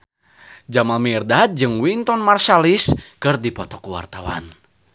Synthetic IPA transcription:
d͡ʒamamirdat̪̚d͡ʒɨŋwint̪ɔnmarsaliskɨrdipɔt̪ɔkuwa̰rt̪awa̰n

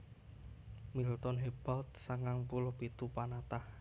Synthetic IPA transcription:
milt̪ɔnɦeb̥alt̪̚saŋaŋpulɔpit̪upanat̪ah

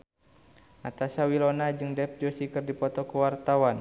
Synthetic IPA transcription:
ʔat̪asawilɔnad͡ʒɨŋdɛp̚d͡ʒosikɨrdipɔt̪ɔkuwart̪awan

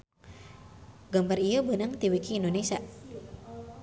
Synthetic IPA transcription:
ɡəmbarijubənəŋt̪iwikiːndonesia

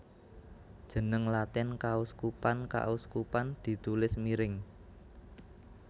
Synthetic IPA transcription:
d̥ʒ̥ə̤nəŋlat̪ɪnkauskupanka̰uskupand̪̥i̤t̪ulɪsmiɾɪŋ

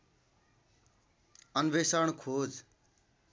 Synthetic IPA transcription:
ʌnbesaɳkʰod͡z

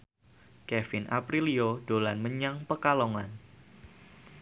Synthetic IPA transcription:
kɛfɪnʔa̰pɾiliodolanməɲaŋpəkaloŋan

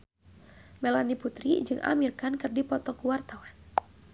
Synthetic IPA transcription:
mɛlaniput̪ɾid͡ʒɨŋʔa̰mirkankɨrdipɔt̪ɔkuwart̪awan

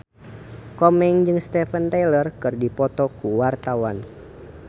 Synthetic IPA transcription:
kɔmɛŋd͡ʒɨŋst̪ɛfənt̪ajlərkɨrdipɔt̪ɔkuwart̪awan

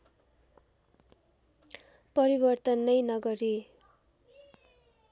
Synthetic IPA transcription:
pʌɾibʌrt̪ʌnːʌjnʌɡʌɾi

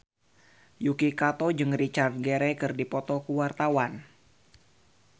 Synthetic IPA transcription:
jukikat̪ɔd͡ʒɨŋrit͡ʃart̪̚ɡeɾɛkɨrdipɔt̪ɔkuwart̪awan

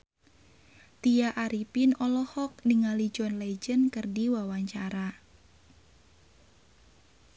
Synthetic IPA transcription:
t̪ijaʔaɾipinɔlɔhɔk̚niŋalid͡ʒɔnled͡ʒənkərdiwawaɲt͡ʃaɾa

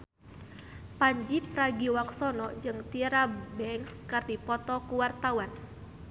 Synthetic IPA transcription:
paɲd͡ʒipɾaɡiwaksɔnɔd͡ʒɨŋt̪iɾabɛŋskɨrdipɔt̪ɔkuwart̪awan

